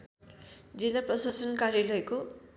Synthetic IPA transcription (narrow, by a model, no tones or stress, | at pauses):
d͡zilːaprʌsasʌnkaɾjalʌjko